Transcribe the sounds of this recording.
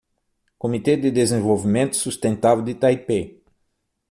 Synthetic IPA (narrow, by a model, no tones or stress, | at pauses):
komit̪ed̪ɪd̪ezẽvowvimẽnt̪ʊ̥sust̪ẽnt̪avewd̪ɪt̪aipe